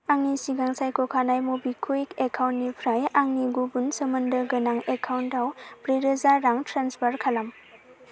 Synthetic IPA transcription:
aŋnisiɡaŋsajkʰɔkʰanajmubikʰuikekʰawntnipʰɾajaŋniɡubunsəmɐndəɡɐnaŋekʰawndawpɾiɾəzaɾaŋtɾanspʰaɾkʰalam

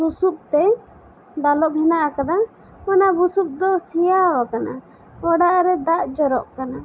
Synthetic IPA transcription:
busup̚t̪ɛ | d̪alɔʔɦɛnaʔakad̪a | manabusup̚d̪ɔsijawakana | ɔɽaʔɾɛd̪aʔd͡ʒɔɾɔʔkana

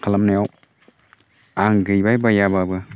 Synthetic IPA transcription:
kʰalamnajaw | aŋɡɯjbajbajababɯ

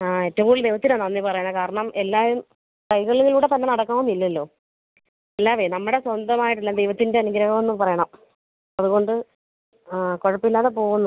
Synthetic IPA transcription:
aetːɐʋɐmkuːɭd̪ejʋɐt̪ːinonːaɐnːipɐrɐjaɳkaːɾɐɳɐmʔelːaːjum | kɐjɣɐɭuŋɡiluːɽe̞t̪ɐnːenɐɽɐkːaːmumilːɐlːo̞ː | elːaːʋenɐmːuɽe̞swɐnd̪ɐmaːjiʈ̬ːilːɐd̪ejʋɐt̪ːinde̞ɐnuɡɾɐɣɐmo̞nːumpɐrɐjɐɳɐm | ɐðuɣo̞ɳɖɨ | koɻɐpːilːaːðepo̞ːɣunːɐ

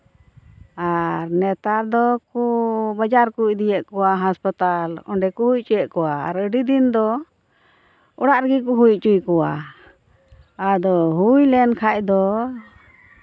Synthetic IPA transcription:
aɾnɛt̪aɾd̪ɔkubad͡ʒaɾkuc̚d̪ijɛʔkɔwaɦaspət̪alɔ̰ɳɖɛkuhujt͡ʃujɛʔkɔwaːɾəɖid̪ind̪ɔ | ɔɽaʔɾəɡikuɦujt͡ʃujkɔwa | ad̪ɔɦujlɛnkʰacd̪ɔ

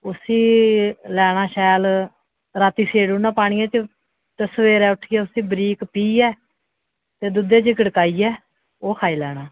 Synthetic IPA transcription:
ʊsiːlɛːɽ̃aːʃɛːl | ɾaːt̪iːseːɽuːnãːpaːɳ̃ijãːt͡ʃə | t̪əsʋeːɾɛːʊʈʰiːɛːʊsĩːbəɾiːkpiːɛː | t̪eːd̪ʊd̪eːt͡ʃəkəɽkaːiːɛː | oːkʰaːiːlɛːɽ̃aː

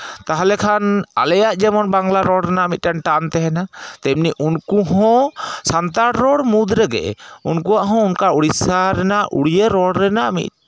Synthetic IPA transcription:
t̪aɦalɛkʰana̰lɛjaʔd͡ʒɛmɔnbaŋlaɾɔɽɾɛnaʔmit̪̚ʈanʈant̪ɛɦɛnat̪ɛmniʔunkuɦɔ̃sant̪aɽɾɔɽmud̪ɾɛɡɛ̰unkuaʔɦɔ̃unkauɽisaɾɛnaʔʔṵɽijəɾɔɽɾɛnaʔmḭt̪̚

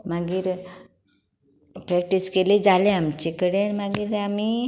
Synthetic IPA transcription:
maɡiːɾ | pɾɛk̚ʈiskeled͡zaleamt͡ɕekəɽemaɡiːɾami

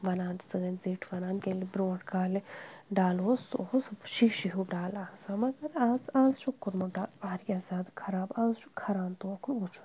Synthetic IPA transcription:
ʋɐnaːnsɨːɐnziːʈʰʋɐnaːnkelibɾõːʈʰkaːlɖaːloːsosʃiʃiɦuɖaːlãːsamɐɡɐɾãːsãːsʃukːuɾmuʈaːʋaːɾjaːsaːd̪kʰɐɾaːbãːzʃukʰɐɾaːnt̪oːkuut͡ʃʰu̥

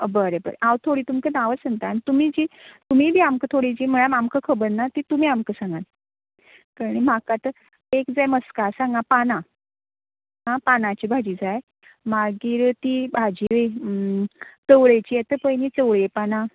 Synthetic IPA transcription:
əbəɾebə̰ɾḛʔawt̪ʰoɽiːt̪umkənaʋəsəŋt̪aanit̪umid͡ʑit̪umibʱiːamkət̪ʰoɽid͡ʑim̤əɭ̃amamkəkʰəbənnat̪it̪um̤iːamkəsãŋɡan | kaɽ̃im̤akat̪ə | ekd͡zajməskasãŋɡapana | ɦãpanat͡ɕiːbʱad͡ʑiːd͡zaj | maɡiːɾt̪ibʱad͡ʑiʋe | t͡s̪əwɽəjt͡ɕiːjet̪əpəjnit͡səwɭepana

